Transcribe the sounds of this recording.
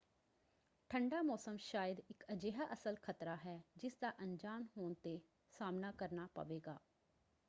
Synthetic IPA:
ʈʰəɳɖaːmɔːsəmʃaːjəd̪ɪkəd͡ʒeːɦaːʔəsəlkʰət̪ɾaːɦɛːd͡ʒɪsd̪aːʔəɲd͡ʒaːnɦoːnt̪eː | saːmnaːkəɾnaːpə̰ʋeːɡaː

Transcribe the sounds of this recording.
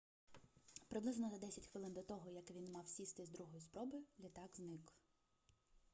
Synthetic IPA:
pɾɪblˠɪznɔzɐd̪ɛsʲɐtʲxʋɪlˠɪnd̪ɔt̪ɔɦɔjɐkʋʲinmɑwsʲist̪ɪzd̪ɾuɦɔjʊspɾɔbʊjʊlʲit̪ɑɡznɪk

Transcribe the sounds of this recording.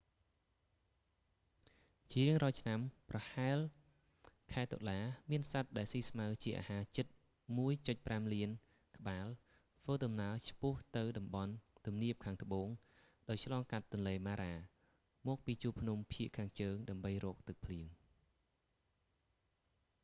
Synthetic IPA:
t͡ɕriəŋrɔt͡ɕʰnamprɑhaɛl | kʰaɛt̪o̰laːmiənsat̪̚ɗaɛlsiːsmaət͡ɕiəʔa̰ːhaːt͡ɕɨt̪̚ | muəjt͡ɕoc̚pramliən | kə̆ɓaːl | ʋəːɗɑmnaət͡ɕʰpʊ̆əht̪ɨwɗɑmɓɑnt̪umniəp̚kʰaːŋt̪ə̆ɓoːŋ | ɗaɔj̚t͡ɕʰlɑːŋkat̪ːʊ̆nleːmaːɾaː | mɔːk̚piːt͡ɕuːlpʰnumpʰiəʔkʰːaːŋt͡ɕəːŋɗaəmɓəjrɔːk̚t̪ɨk̚pʰliəŋ

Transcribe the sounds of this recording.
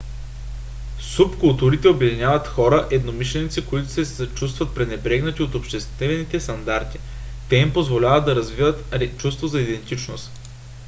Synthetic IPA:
supkʊlˠt̪uɾit̪ɛobjɛɐd̪inʲjavət̪xɔɾəʔɛd̪nomiʃlɛnit̪sikoit̪ʊ̥sɛsɐt͡ʃust̪vɐt̪̚pɾɛnɛbɾɛɡnət̪ʲiot̪opʃt̪ɛst̪ɛvɛnit̪ɛst̪ɐnd̪aɾt̪i̥t̪ɛimpozvolʲavət̪̚d̪ɐɾɐzvivət̪t͡ʃust̪vozɐid̪ɛnt̪it͡ʃno̰st̪

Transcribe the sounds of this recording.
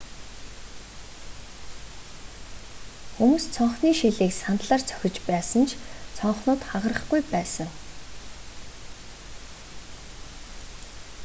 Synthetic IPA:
xumuːst͡sʰɔɴχniːʃiɮiːksant̪ɮaːrt͡sʰœ̥xʲɪ̆t͡ɕpæːsə̆nt͡ɕʰt͡sʰɔɴχnʊːt̪χaʁə̆rə̆χɡujpæːsə̆ŋ

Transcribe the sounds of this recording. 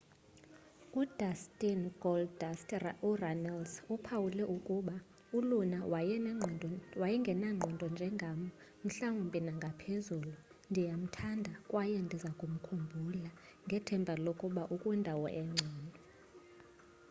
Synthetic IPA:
udastʼinɡɔldsturanalsupʰawulɛʔukʼuɓa | ulunawɛnɛwajiŋɡʱɛnaŋ͡ǀʱɔndʱʼɔnd͡ʒʱɛŋɡʱamɔ | m̩ɬaŋumpʼinaŋɡʱapʰezuːlu | ndʱijam̩tʰandʱakʼwajɛndʱizakʼum̩kʰumbʱula | ŋɡʱɛtʰɛmbʱalokʼuɓaʔukʼwindʱawɔ̰ʔɛŋ͡ǀʱɔːndʱɔ

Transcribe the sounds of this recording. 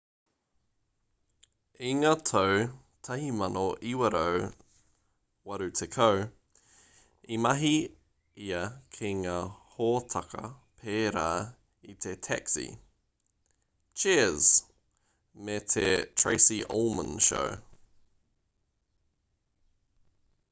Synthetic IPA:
iŋɐtʰow | tʰɐhimɐnoʔiwəɾow | wɐɾutʰekʰow | imɐɦi | iɐkʰiŋɐhɔːtʰɐkʰɐ̰pʰeːɾa̰ː | itʰetʰɛ̰ksḭ | t͡ʃʰɛəz̥ | metʰetʰɹ̥ḛɪsiʔo̰lˠmə̃nʃo̰w

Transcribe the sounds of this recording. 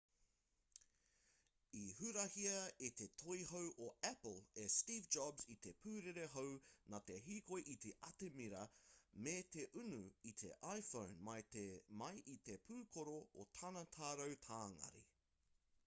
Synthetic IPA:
iɦʉɾɐhiɐet̪et̪ʰojɦowʔoæpəlˠestiːvd͡ʒɑbzit̪epʰʉːɾeɾeɦownat̪eɦiːkojʔit̪eʔɐt̪emiɾɐmet̪eʔʉnuit̪ʰḛʔajfõwnmɐjtemɐjʔit̪e̞pʰʉːkʰoɾoot̪ʰɐnɐt̪ʰaːɾɐwt̪ʰaːŋɐ̰ɾḭ

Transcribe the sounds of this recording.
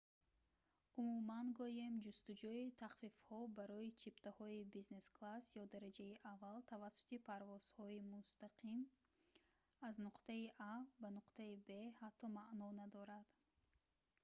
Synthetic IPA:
umumanɡɔjemd͡ʒust̪ud͡ʒuit̪ʰaχfifhɔbaɾɔit͡ʃʰipt̪ʰahɔibizne̞sklasjɔd̪aɾad͡ʒaiʔavːalt̪ʰavasːu̥t̪ipʰaɾvɔz̥hɔimust̪aqʰim | aznuqt̪aiʔabanuqt̪ʰaibe̞hat̪ʰːɔmaʔnɔnad̪ɔɾad̪̥

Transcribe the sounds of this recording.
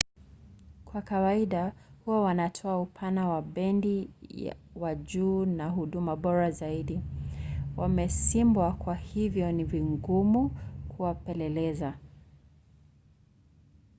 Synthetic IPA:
kwakawaiɗahuawanatʰɔaupʰanawaɓɛndḭ | waʄuːnaɦuɗumaɓɔɾazaiɗi | wʔamɛsimbwakwahivjɔniviŋɡumukʰuwapɛlɛlɛza

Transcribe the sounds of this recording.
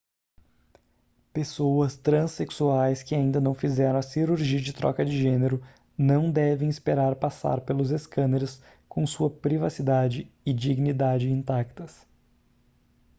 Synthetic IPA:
pesowɐst̪ɾɐ̃seksuajskɪaĩnd̪ɐnɐ̃w̃fizɛɾɐ̃w̃ɐsiɾuɾʒiɐd͡ʒɪt̪ɾʔɔ̰kɐd͡ʒɪʒẽneɾʊ | nɐ̃w̃d̪ɛvẽj̃ɪspeɾaɾpasa̰ɾpelʊzeskɐ̃neɾɪs | kõw̃suɐpɾivasid̪ad͡ʒɪɪd͡ʒiɡnid̪ad͡ʒɪĩnt̪akt̪ɐs

